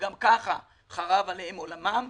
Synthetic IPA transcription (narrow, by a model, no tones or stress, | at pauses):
ɡamkaχa | χaʁavalehemo̞lamam